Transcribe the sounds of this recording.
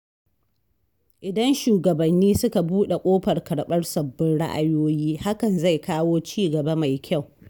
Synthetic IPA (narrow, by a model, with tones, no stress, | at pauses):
ʔɪ˨dɐ˦nʃuː˨ɡɐ˨bɐ˨nːiː˦sʊ˦ka˨buː˦ɗe˨kʷʼoː˦ɸɐ˨rkɐ˨ɽɓɐ˦rsɐ˨bːɪ˦nɽa̰˦ʔa̰˦joː˦jiː˦ha˦kɐ˨nza˦˨jkaː˦woː˦t͡ʃiː˦ɡɐ˨ba˦ma˨jkʲa˦˨w